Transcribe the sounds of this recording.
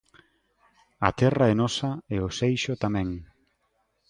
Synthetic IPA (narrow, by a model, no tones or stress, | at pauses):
at̪ɛraɛnɔsɐeʊsejʃʊt̪amɛ̃ŋ